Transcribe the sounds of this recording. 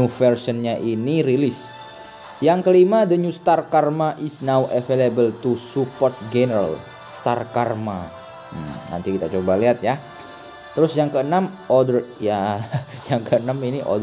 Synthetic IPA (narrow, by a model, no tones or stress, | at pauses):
ufərsiɔnɲaʔiniɾilɪs | jaŋkəlimadəɲust̪arkarmaʔɪsnawʔefelebəlt̪usupɔrt̪̚d͡ʒenəɾa̰l | st̪arkarma | na̰nt̪ikit̪at͡ʃobaliɦat̪̚ja | t̪əɾʊsjaŋkəənam | ɔdərjajaŋkəənaminiʔɔ̰d